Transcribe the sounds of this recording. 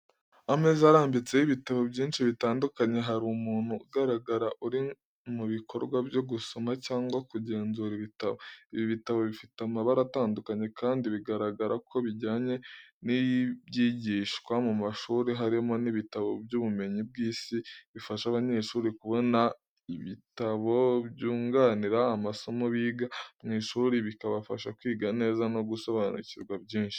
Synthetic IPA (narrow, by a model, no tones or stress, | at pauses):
amezaɾaːmbit͡se̞jiβitaβo̞bɟiːnʃiβitaːndukaɲe̞ɦaɾumuːn̥huːɡaɾaɡaɾaʔuɾi | muβikʰo̞ɾɡwabjo̞ɡuso̞macaːŋɡwakuɟe̞ːnzuːɾiβitaβo̞iβiβitaβo̞βifitamaβaɾataːndukaɲe̞kʰaːndiβiɡaɾaɡaɾakʰo̞βiɟaːɲe̞nijbɟiːɟiːʃkwamumaʃuːɾeɦaɾimo̞niβitaβo̞bɟuːβume̞ɲib̚ɡiːsiβifaʃaβaɲe̞ːʃuːɾikuβo̞na | iβitaβo̞βɟuːŋɡaːniɾaamaso̞moβiːɡamŋiːʃuːɾiβikaβafa̰ʃakwiːɡane̞ːzano̞ɡuso̞βanṵciɾɡwabɟiːnʃi̥